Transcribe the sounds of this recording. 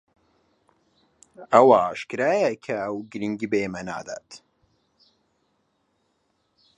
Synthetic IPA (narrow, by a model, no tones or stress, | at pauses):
ɐwaʃkɾaːjɐkʰɐɐwɡɾiŋɡibeemɐna̰ːd̪a̰ːt̪